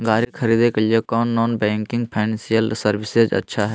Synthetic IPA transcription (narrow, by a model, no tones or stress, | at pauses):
ɡaːɾikʰəɾiːd̪ekəliekɔːnːɔːnbɛ̃ːŋkɪ̃ŋɡpʰaːɪnɛ̃nsijəlsəɾʋɪsed͡ʒɐ̰tːʃʰaɦɛ